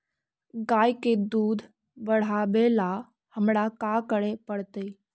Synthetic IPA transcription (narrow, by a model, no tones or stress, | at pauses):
ɡaːjked̪uːd̪ʱ | bəɽ̤aːbela | həmɽakakəɽepəɽt̪əi